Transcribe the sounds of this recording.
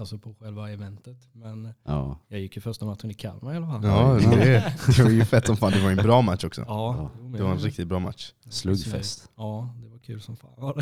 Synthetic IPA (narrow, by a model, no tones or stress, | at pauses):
alsɔpʰɔɧɛlvaɛvɛnt̪ət̪mɛnːjɑːɡjɪkːjəfœʂt̪amat̪ʂənɪkʰa̰lːmɛɪhalːafalɑːd̪ɛd̪ɛvaɾjəfɛt̪ːsɔmfaːnd̪ɛvaɾɛnbɾɑːmat̪ːɔksɔ̰ːd̪ɛvaɾɛnɾɪk̚t̪ɪt̪̚bɾɑːma̰t̪ʂslɵɡfɛ̰st̪ | ɑːd̪ɛvaɾkʰʉ̟ːlsɔmfa̰ː